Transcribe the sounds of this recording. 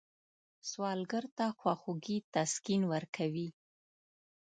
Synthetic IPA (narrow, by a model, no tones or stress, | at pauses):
swɑlɡəɾt̪axwaxuɡit̪askinwəɾkʰawi